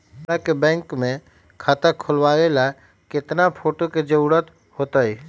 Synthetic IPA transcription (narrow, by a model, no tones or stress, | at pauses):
akebɛ̃ːŋkmẽ | kʰat̪əkʰʊlʋawela | kɪt̪napʰoːʈoked͡ʒəuɽət̪ | hot̪əi